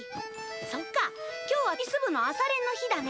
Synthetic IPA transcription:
so̞kːakʲo̞ːβakʲisɨbɯ̟no̞asaɾẽ̞nːo̞çid̪ane

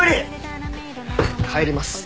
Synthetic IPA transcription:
ɾɯ | haeɾʲimasɨ̥

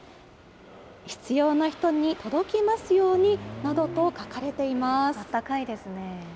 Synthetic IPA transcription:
çi̥t͡sɨjo̞ːnaçi̥t̪o̞ɲ̟it̪o̞d̪o̞kʲimasɨjo̞ːɲ̟inad̪o̞t̪o̞kakaɾe̞t̪e̞imasat̪ːakaid̪e̞sɨne̞

